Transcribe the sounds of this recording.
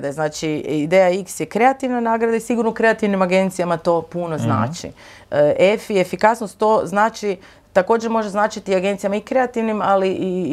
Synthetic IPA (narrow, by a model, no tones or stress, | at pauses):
d̪aznaːt͡ʃiid̪ejaiksjekɾe̞at̪iʋnanaːɡɾad̪aisiɡuɾnoukɾe̞at̪iʋnimaɡe̞nt̪sijamat̪o̞puno̞zna̰ːt͡ʃḭ | ʔefiefikasnost̪ːo̞znaːt͡ʃi | t̪ako̞ːd͡ʒeɾmo̞ʒznaːt͡ʃit̪iaɡe̞nt̪sijamaikɾe̞at̪iʋnimaliʔi